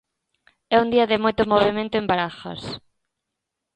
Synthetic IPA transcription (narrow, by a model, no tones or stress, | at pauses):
ɛund̪iɐðɪmojt̪ʊmoβemẽnt̪ʊembaɾaxɐ̰s